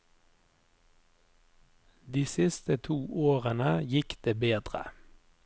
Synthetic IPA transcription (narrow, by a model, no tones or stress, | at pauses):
d̪iːsɪst̪ət̪ʰuːʔoːʁənəjɪkd̪̥eːbeːd̪ʁə̰